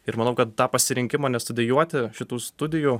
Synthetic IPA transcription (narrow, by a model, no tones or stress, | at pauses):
ɪɾmɐnɐʊkɐt̪̚t̪ɑːpɐsʲɪɾʲɪŋʲkʲɪmɑːnʲɛst̪ʊd̪ʲɪjuɔt̪ʲɪʃʲɪt̪uːst̪ʊd̪ʲɪju